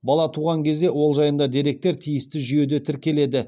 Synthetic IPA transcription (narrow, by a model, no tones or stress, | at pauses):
bɑlˠɑt̪ʰuʁɑŋkʲʰezd̪ewo̞lˠʒɑjənd̪ɑd̪eɾe̞k̚t̪e̞ɾt̪ʰijɪst̪ɪʒyje̞d̪e̞t̪ʰɪɾkʲe̞le̞d̪ɪ